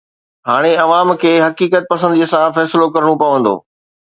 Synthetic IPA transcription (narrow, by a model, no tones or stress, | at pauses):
ɦaːɽ̃eɐʋaːmkʰeːɦɐkiːkət̪̚pɐsə̃nd̪iːəsãfɛːsɪlokɐɾɽ̃opɐʋə̃nd̪o̰ː